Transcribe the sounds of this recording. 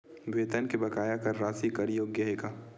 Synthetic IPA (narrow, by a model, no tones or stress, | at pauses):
bʱeːt̪ənkibɐkaːjakɐɾːaːsikɐɾjoːɡjɐɦeka